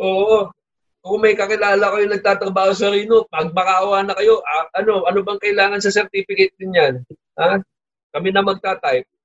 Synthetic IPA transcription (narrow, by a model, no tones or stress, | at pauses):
ʔo̞ːʔo | kʊŋmɐjkɐkɪlaːlɐkɐjonɐɡ̚t̪aːt̪ɾɐbaːho̞s̬ɐɾiːnopɐɡ̚mɐkaʔwaːnɐkɐjo̞ʔaʔɐno̞ʔɐnobɐŋkɐʔɪlaːŋɐnsɐsɛɾt̪iːfɪkɐt̪̚d̪ɪnɲan | haː | kɐmɪnɐmɐɡ̚t̪aːt̪ɐjp̚